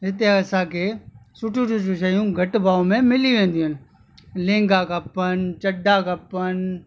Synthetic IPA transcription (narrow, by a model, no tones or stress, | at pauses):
ɦɪt̪eɐsãkʰeːsʊʈʰũʈũt͡ʃũʃɐjũɡʱɐʈbaːomẽmɪliʋẽːn̆d̪iũɦɪnɪ̆ | lẽːŋɡakɐpənt͡ɕɐɖakɐpən